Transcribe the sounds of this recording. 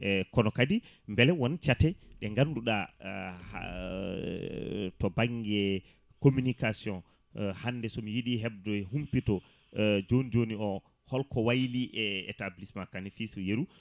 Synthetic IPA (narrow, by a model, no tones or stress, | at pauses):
ɛkɔnɔkadi | mbɛlɛwɔnt͡ʃatɛɗɛŋɡanduɗah | tɔbaŋɡɛ | kominikasiɔn | hanːdɛsɔmijiɗiɦɛb̚dɔɛhumpitɔ | d͡ʒonid͡ʒoniɔ | hɔlkɔwajliʔɛɛ̰tablismakːanifisjeɾu